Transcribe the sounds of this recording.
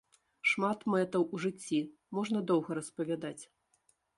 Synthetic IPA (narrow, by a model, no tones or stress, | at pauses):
ʂmat̪mɛt̪ɐwuʐɨt͡sʲːi | mɔʐnɐd̪ɔwɣɐɾɐspɐvʲad̪at͡sʲ